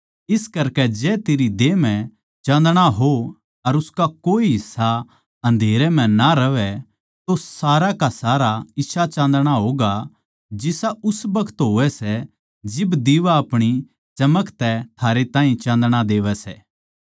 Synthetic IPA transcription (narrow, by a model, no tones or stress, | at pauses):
ɪskɐɾkɛd͡ʒɛːt̪eːɾid̪eːmɛ̃ | t͡ʃãːnd̪ɽ̃aɦo | ɐɾʊskakoːiɦɪsa | ɦɐ̃nd̪ʱeːɾɛm̤ɛ̃naɾɐʋɛ | t̪osaːɾakasaːɾaɪʃʰat͡ʃãːnd̪ɽ̃aɦoːɡa | d͡ʒɪsaʔʊsbɐkʰə̥t̪ɦoːʋɛsɛ | d͡ʒɪbd̪iːʋaɐpɽ̃i | t͡ʃɐməkt̪ɛt̪ʰaːɾet̪ãːĩt͡ʃãːnd̪ɽ̃ad̪eːʋɛsɛː